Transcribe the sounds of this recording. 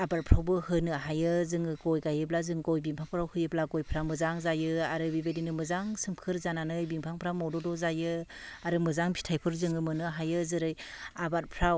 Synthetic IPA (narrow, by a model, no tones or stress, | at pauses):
abat̚pʰɾawbɯhɯnɯɦajɯzɯŋɯɡojɡajɯb̬lazɯŋɡojbiŋpʰaŋpʰɯɾawhɯjɯblaɡojpʰɾamɯzaŋzajɯaɾɯbibedinɯmɯzaŋsɯmkʰɯɾzananɯjbiŋpʰaŋpʰɯɾamɔwdɔdɔzajɯaɾɯmɯzaŋpʰi̥tʰajpʰɯɾzɯŋɯmɯnɯɦajɯzɯɾɯjabat̚pʰɾaw